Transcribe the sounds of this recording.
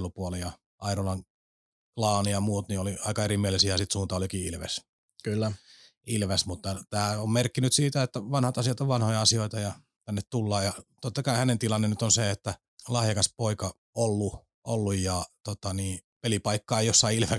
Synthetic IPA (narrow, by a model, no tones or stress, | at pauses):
lupuolejjɑ | ʔɑiɾolɑŋ | klɑːnijɑmuːt̪nioliɑikɑerimielisijɑsit̪suːnt̪ɑolikiːḭlʋḛs | kylːæ | ilʋesmut̪ːɑt̪æːommerkːinyt̪siːt̪æet̪ːæʋɑnhɑt̪ɑsiɑt̪oʋʋɑnhojɑɑsioit̪ɑjɑ | t̪ænːet̪t̪ulːɑːjɑt̪ot̪ːɑkɑihænent̪ilɑnːennyt̪onseet̪ːæ | lɑhjɑkɑspoikɑ | olːu | ʔolːujjɑt̪ot̪ɑniːpelipɑikːɑːejjosːɑiilʋe